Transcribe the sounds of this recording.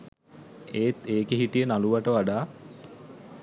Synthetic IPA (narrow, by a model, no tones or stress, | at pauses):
eːt̪eːkeɦiʈijənaluʋaʈəʋaɖaː